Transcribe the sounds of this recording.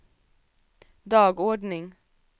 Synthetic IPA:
d̪ɑːɡoːɖɳɪŋ

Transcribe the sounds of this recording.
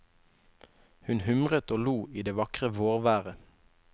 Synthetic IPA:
hʉnhʏmʁət̪oːluːiːd̪eːʋɑkʁəʋoːʁʋæːʁə

